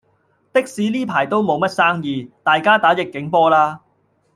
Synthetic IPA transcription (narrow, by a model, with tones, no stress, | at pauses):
t̪ɪ˥k̚siː˨˥liː˥pʰaː˨˩jt̪o˥wmo˨˧wmɐ˥t̚saː˥ŋjiː˨˧t̪aː˨jkaː˥t̪aː˨˥jɪ˨kːɪ˨˥ŋpɔː˥laː˥